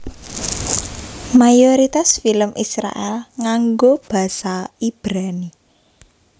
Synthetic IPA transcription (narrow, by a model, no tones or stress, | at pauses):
majoɾit̪asfiləmʔisɾa̰ʔɛlŋaŋɡob̥ä̤saib̥ɾani